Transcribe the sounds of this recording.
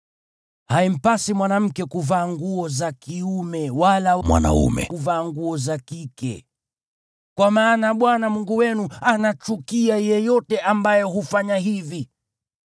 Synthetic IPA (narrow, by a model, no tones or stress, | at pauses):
haim̩pasimwanam̩kɛkuvaːŋɡuɔzakiumɛwalamwa̰na̰ṵmɛ̰kuvaːŋɡuɔzakikɛ̰ | kwamaːnaɓwanamuŋɡuwɛnuanat͡ʃukiajɛjɔtɛʔambajɛhufaɲaɦivi